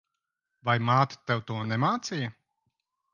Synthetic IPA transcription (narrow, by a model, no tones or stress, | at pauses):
vajmaːt̪ḁt̪ewt̪uɔnɛmaːt̪sijɐ